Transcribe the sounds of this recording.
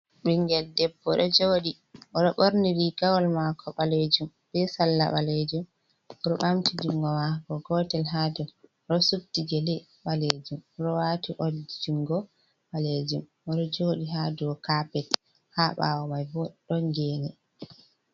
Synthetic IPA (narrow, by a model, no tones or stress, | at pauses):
ɓiŋɡɛldɛbːɔɗɔd͡ʒoɗi | ʔɔɗɔɓoɾniɾiɡawɔlmakʰɔɓaled͡ʒum | bɛsalːa̰ɓa̰led͡ʒum | ɔɗɔɓamtid͡ʒiŋɡɔmakɔɡɔːtɛlɦaduɔɗɔsuk̚tid͡ʒɛlɛ | ɓaled͡ʒumɔɗɔwatiʔɔldid͡ʒiŋɡɔ | ɓaled͡ʒum | ɔɗɔd͡ʒoɗiɦadɔɔkapɛt | haɓa̰wɔmajbɔɗɔŋɡɛːnɛ